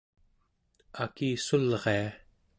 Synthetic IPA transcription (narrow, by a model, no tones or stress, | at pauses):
akiːsulʁea